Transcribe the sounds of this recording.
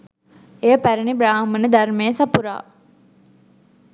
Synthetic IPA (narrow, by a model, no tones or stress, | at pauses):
ejəpæɾənibɾaːɦmənəd̪ɐrmeːəsɐpuɾa̰ː